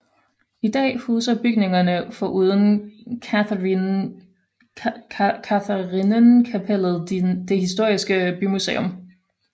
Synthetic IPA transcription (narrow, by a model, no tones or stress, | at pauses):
id̥ɛ̰ːhuːsɐb̥yɡ̥ne̝ŋɐnəfɒ̽ʔuːð̞ˠən | kʰæθæʁinənkʰæpʰel̰ð̩ˠd̥e̝hisd̥o̝ɐ̰isɡ̥əb̥ymusḛːɔm